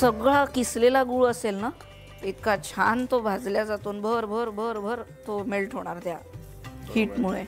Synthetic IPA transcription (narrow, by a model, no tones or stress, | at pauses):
səɡɭakislelaɡuːɭəselna | it̪kat͡ɕʰant̪obʱad͡zljad͡zat̪uːnbʱəɾbʱəɾbʱəɾbʱəɾt̪omelʈʰɦoɽ̃aɾt̪ja | hiːʈmuɭe